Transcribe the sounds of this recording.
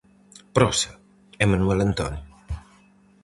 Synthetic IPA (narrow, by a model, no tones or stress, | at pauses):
pɾɔse | emanuɛlant̪ɔ̰ni